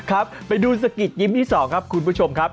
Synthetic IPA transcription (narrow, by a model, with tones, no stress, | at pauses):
kʰa˦˥p̚pːa˧jduː˧s̬a˧ki˨˩t̪̚ɲi˦˥mt̪ʰiː˥˩sɔː˩˦ŋkʰa˦˥p̚kʰu˧npu˦˥t͡ɕʰo˧mkʰa˦˥p̚